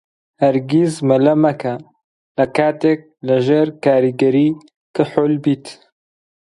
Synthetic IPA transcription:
hɐɾɡizmɐlɐmɐkʰɐ | lɐkaːt̪ek̚lɨʒeːɾkaːɾiɡɐɾiː | kɨħʊlbiːt̪

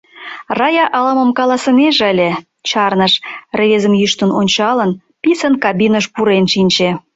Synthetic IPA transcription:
rɑjɑʔɑlɑmə̆mkɑlɑsə̆meʒəlʲe | t͡ɕɑrnəʃreβezəmjyʃt̪ənonʲt͡ɕɑlən | pisənkɑbinəʃpuɾenʃinʲt͡ɕe

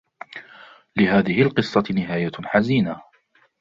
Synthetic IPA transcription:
lɪhaːðɪhɪlqɨsˤːɑnɪɦaːjaħaziːna

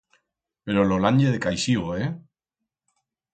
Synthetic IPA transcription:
peɾololaɲʎeðekajʃiβoe

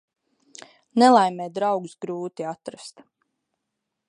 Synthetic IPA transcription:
nɛlˠajmʲɛːd̪ɾawɡusɡɾuːt̪iat̪ɾast̪

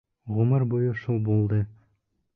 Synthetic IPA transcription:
ʁʊmɤɾbujɤʃulˠbulˠd̪ɤ

